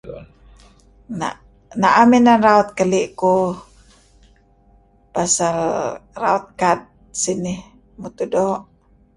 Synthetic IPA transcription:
na̰ʔ | naʔaminanraɔt̪̚kəliʔku | pasalra̰ɔt̪̚kad̪̚ | sinih | mut̪udɔʔ

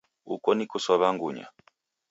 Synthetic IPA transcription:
ukɔnikusɔβaŋɡuɲa̰

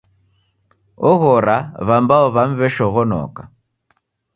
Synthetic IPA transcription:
ɔɣɔɾaβambaɔβam̩βɛʃɔɣɔnɔ̰ka

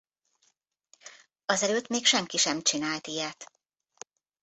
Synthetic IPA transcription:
ɒzɛløːt̪meːkʃɛŋkiʃɛmt͡ʃinaːlt̪ijɛt̪

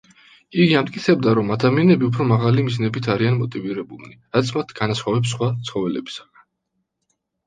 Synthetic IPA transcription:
iɡiamt̪ʼkʼit̪sʰɛbd̪aɾɔmad̪amianɛbiupʰɾɔmaʁalimiznɛbit̪ʰaɾianmɔt̪ʼiviɾɛbulˠniɾat̪sʰmat̪ʰɡ̥anasχwɔvɛps̬χwat̪sʰχɔvɛlɛ̰bi̥saɡ̥an

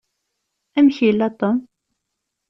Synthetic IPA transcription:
æmçilːæt̪ːom

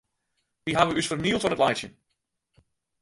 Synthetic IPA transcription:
diɦaʋəysfərniəlˠtfɔnətlajtsjə̰n

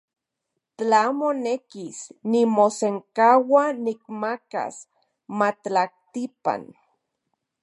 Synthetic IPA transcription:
t͡ɬamonekisnimoseŋkawanik̚maka̰s | matah̚t̪ipa̰n

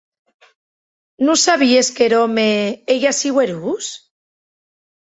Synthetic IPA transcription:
nũsaβieskeɾomeeʝasiɣweɾus

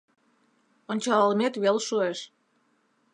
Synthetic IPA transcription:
onʲt͡ɕɑlɑlmet̪βelʃueʃ

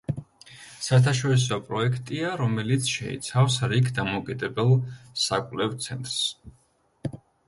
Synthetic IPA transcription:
saɛɾt̪ʰaʃ̬ɔɾis̬ɔpʼɾɔɛkʰt̪ʼiaɾɔmɛlit̪sʰʃɛ̰ḭt̪sʰafsɾikʰd̪amɔkʼid̪ɛbɛlˠsakʷʼvlɛvt̪sʰɛnt̪ʼɾs

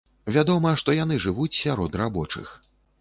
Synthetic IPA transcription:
vʲad̪ɔmɐʂt̪ɔjanɨʐɨvut͡sʲsʲaɾɔd̪rabɔt͡ʂɨ̰x

